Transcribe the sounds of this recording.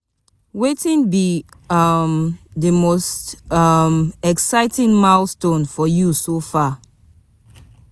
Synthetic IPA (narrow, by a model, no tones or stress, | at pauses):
wetĩnbi | ʌmðəmostʌmɛksaɪtʰĩnmalstõnfɔjusofa